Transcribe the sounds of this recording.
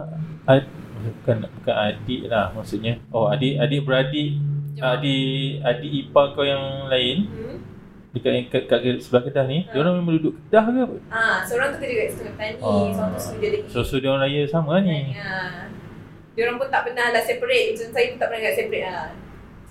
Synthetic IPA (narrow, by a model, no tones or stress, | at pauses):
abukanbukanadiʔlahmaʔsuʔɲaoadiʔadiʔbəɾadiʔadiʔadiʔipaəkawjaŋlaɪn | dəkaʔkaʔ̚kaʔ̚kəʔsəbəlahkədahnidoɾaŋmemãŋdudʊʔkədahɡəpasəoɾaŋt̪ukədəɡaʔst̪əŋat̪anisãsokid͡ʒadisosodioanɾajasamania | dioɾaŋpunt̪aʔpənahlaʔsɛpaɾet̪̚isnsajipunaʔpənalaʔsɛpɾeʔla